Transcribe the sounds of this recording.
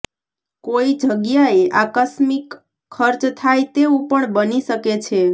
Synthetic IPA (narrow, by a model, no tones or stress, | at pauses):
koid͡ʒʱəɡjaeʔakəsmikʰː | əɾt͡ʃt̪ʰajt̪eũpəɳbəniʃəket͡ʃʰe